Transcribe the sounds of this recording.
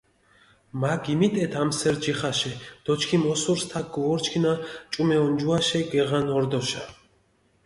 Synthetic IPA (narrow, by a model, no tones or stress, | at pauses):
maɡimit̪ʼɛt̪ʰamsɛɾd͡ʒɛχaʃɛd̪̥ɔt͡ʃkʰimɔsuɾst̪ʰak̚ɡɔvɔɾt͡ʃʰkʰinat͡ʃʼumɛɔnd͡ʒuaʃɛɡɛʁanɔɾd̪ɔʃa